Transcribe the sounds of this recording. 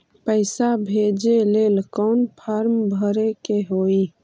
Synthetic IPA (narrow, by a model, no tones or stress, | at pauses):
pəɪsabʱeːd͡ʒeleːlkɔːnpʰaːɾmbʱəɾekeɦoːi